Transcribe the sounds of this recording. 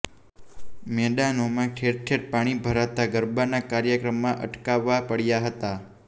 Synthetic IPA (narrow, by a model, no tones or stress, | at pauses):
mɛɗanomãʈʰeɾʈʰeɾpaɽ̃ibʱəɾat̪aɡəɾbanakaɾjəkɾəmːãʔə̰ʈkaʋːapəɽjaɦət̪a